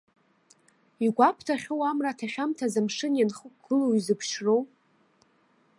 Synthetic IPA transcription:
iɡʷapʰtʰaχʲowamratʰaχʲᶣamtʰazamʂɨnjanχəkʷɡɨlowizɨpʰʃro̞w

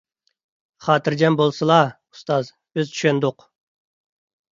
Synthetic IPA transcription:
χɑːt̪ʰɨɾd͡ʒɛnbolˠsɨlˠɑ | u̥st̪ɑz | b̥ɪzt͡ʃ̪ʰy̥ʃend̪ʊq

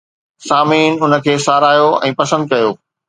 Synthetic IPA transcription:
saːmiːnʊnə̆kʰeːsaːɾaːjoɛ̰̃ːpɐsə̃nd̪̚kɐjoː

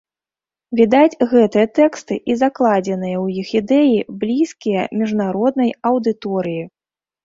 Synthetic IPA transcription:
vʲid̪ad͡zʲɣɛt̪ɨjɐt̪ɛkst̪ɨʔizaklˠad͡zʲɛnɨjɐwjixid̪ɛjiblʲiskʲijɐmʲiʐnaɾɔd̪̚nɐjɐwd̪ɨt̪ɔɾɨji

